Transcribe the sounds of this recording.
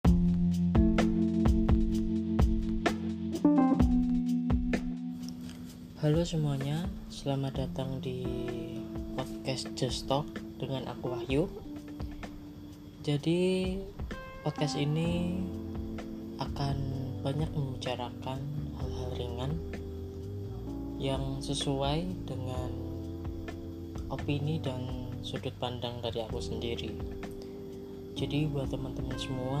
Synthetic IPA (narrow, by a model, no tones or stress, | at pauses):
halosəmuaɲa | səlamadat̪aŋdi | pɔt̪̚kɛsd͡ʒəst̪ɔk̚d̥əŋanʔa̰kuwahju | d͡ʒadi | pɔt̪̚kɛsini | ʔakanbaɲak̚məmbit͡ʃaɾakanhalɦalɾiŋan | jaŋsəsuajdəŋan | ʔopinidansudʊt̪̚pandaŋdaɾiakusəndiɾi | d͡ʒadibuat̪əmant̪əmansəmua